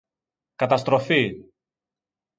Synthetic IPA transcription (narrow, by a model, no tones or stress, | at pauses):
kɐt̪ɐst̪ɾo̞fi